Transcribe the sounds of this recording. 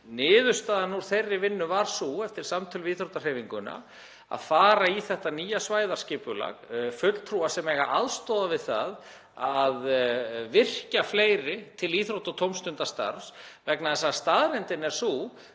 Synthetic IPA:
nɪːðʏst̪aːðanuɾ̥θejrːɪvɪnːʏvaɾ̥suɛft̪ɪɾ̥samt̪ʰʏlviːθɾowt̪ar̥eːjviŋkʏna̰ | a̰ðfaːɾaiθɛht̪aniːjasvaːjðaɾ̥scɪːpʏla̰ɣfœt̪l̥t̪ʰɾuasɛmɛːɣa̰ʔaðst̪ɔːðavɪðθa̰ð | aðvɪr̥cafleːjɾɪt̪ʰɪliːθɾowt̪ɔt̪ʰowmst̪ʏnt̪ast̪a̰ɾsvɛknaðɛs̬ast̪aðɾɛnt̪ɪnɛɾ̥su

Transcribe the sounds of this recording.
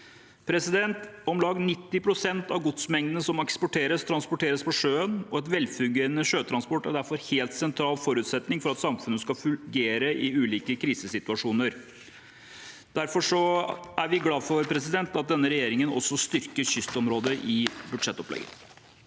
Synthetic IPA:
pʰɾɛsɪd̪ɛnt̪ɔmlɑːɡnɪt̪ːɪpʰɾʊsɛnt̪ɑʋɡʊd̪smɛŋd̪ənəsɔmɑkspʊʈʰeːɾəst̪ʰɾɑnspɔʈʰeːɾəspɔʂøːənɔɛt̪ʋɛlfʉɡeːɾənəʂøːt̪ʰɾɑnspɔʈːɔɖ̪æɾfɔɾheːlt̪sɛnt̪ʰɾɑːlfɔɾʉːt̪sɛt̪nɪŋfɔɾɑt̪sɑmfʉnːəskɑfʉɡeːɾəʔɪʉːliːkəkʰɾiːsəsɪt̪ʉɑʂuːnəɾ | d̪̥æɾfɔʂɔʔæɾʋɪɡlɑːfɔɾpʰɾɛsɪd̪ɛnt̪ɑt̪̚d̪ɛnːəɾɛjeːɾɪŋənɔ̰sːɔst̪ʏɾkəɾɕʏst̪ɔmɾoːd̪əʔɪbʉd̪ʂɛt̪ːɔplɛ̰ɡə̰

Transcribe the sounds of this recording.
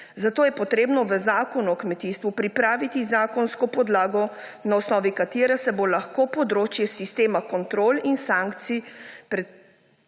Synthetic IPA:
zat̪oːjɛpɔt̪ɾeːbnɔʋəzaːkɔnuɔkmɛt̪iːst̪ʋupɾipɾaːʋit̪izaːkɔnskɔpɔd̪laːɡɔnaɔsnɔːʋikat̪eːɾasɛbolaxkopɔd̪ɾoːt͡ʃjɛsist̪eːmakɔnt̪ɾoːlinsaŋkt̪sipɾɛ

